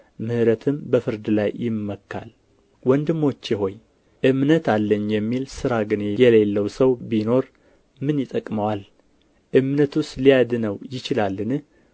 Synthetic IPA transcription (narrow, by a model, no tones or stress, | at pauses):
mɨhɨɾət̪ʰɨmbəfɨɾd̪ɨlajːɪmːəkːa̰l | wɔnd̪ɨmːo̞t͡ʃːjɪɦo̞ɲ | ʔɨmnət̪alːəɲːjɛmːilsɨɾaɡɨnjɛle̞lːəwsəwbino̞ɾ | mɨnjɪt̪ʼəkʼməwal | ʔɨmnət̪ust̪lijad̪nəwjɪt͡ʃɪlalːɨn